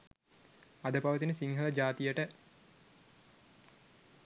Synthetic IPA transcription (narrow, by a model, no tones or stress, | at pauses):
ad̪əpɐʋət̪inəsiŋɦələd͡ʒaːt̪ijəʈə